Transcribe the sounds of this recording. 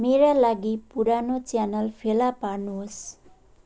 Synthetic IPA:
meɾalaɡipuɾanot͡sjanʌlpʰelaparnuɦos

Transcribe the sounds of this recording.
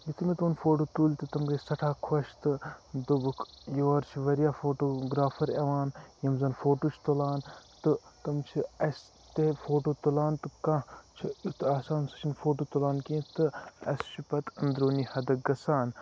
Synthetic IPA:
jit̪imit̪uːnfoːʈoːt̪uːlʲt̪ɨt̪ɐmɡɐsɐʈʰaːkʰwɐʃt̪ɨd̪ubɨkʰjoːɾt͡ʃʰiʋɐɾijaːfoːʈoːɡɾaːfʰɐɾɐʋaːnjɐmzɐnfoːʈoːt͡ʃʰt̪ulaːnt̪ɨt̪ɐmt͡ʃʰiɐs | t̪efoːʈoːt̪ulaːnt̪ɨkãt͡ʃʰiut̪aːsaːnsɐ̥t͡ʃʰinfoːʈoːt̪ulaːnkĩːt̪ɨɐst͡ʃʰipɐt̪ɐnd̪ɾoːnihɐd̪ɐk̚ɡɐsaːn

